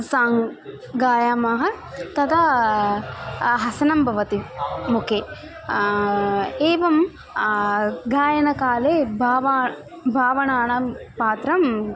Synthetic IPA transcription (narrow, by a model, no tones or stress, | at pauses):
saːŋ | ɡaːjaːmɐɦɐ | t̪ɐt̪ʰɐ | ɦɐsɐnɐmbʱɐʋɐt̪imukʰe | eːʋɐm | ɡaːjɐnɐkaːleːbʱaːʋaː | bʱaːʋɐnaːɳɐpaːt̪ɾɐm